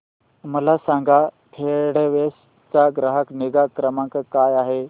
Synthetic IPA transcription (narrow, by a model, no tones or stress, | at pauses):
mɐlasãːŋɡa | pʰeːɽeʋeːs | t͡ɕaɡɾaɦəkneɡakɾəmãːkʰkaːjaːɦe